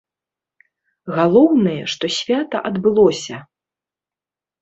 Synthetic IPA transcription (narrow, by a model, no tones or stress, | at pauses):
ɣalˠɔwnɐjɛʂt̪ɔsʲvʲat̪ɐ̰ʔɐd̪bɨlˠɔsʲɐ